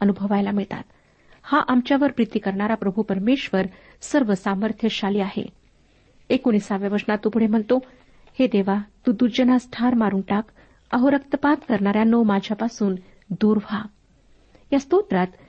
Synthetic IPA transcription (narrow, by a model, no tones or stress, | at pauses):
ənubʱəʋajlamiɭt̪a̰t̪ | haʔamt͡ɕjaʋəɾpɾit̪ikəɾɳaɾapɾəbʱupəɾmeɕʋəɾ | səɾʋəsaməɾt̪ʰjəɕaliːaɦḛ | ekonisaʋjaʋəɾsɳat̪ːupuɽ̤em̤əɳt̪o | hed̪eʋat̪ud̪uɾd͡ʑənasʈʰaɾmaɾuɳʈak | əɦoɾəkt̪əpat̪kəɾɳaɾjanːomad͡ʑʱjapasuːn | d̪uːɾʋʱa | jast̪ot̪ɾat̪